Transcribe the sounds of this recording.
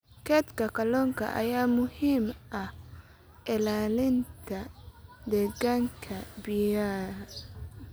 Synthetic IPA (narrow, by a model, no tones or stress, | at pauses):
kʰɛːt̪kʰɐkʰɐlɔːŋkʰɐ̰ʔɐ̰jaːmʊhiːmʔɐh | ʔɪlaːlɪnt̪ʰɐd̪ɛɣaːŋkʰɐbɪjaːɾ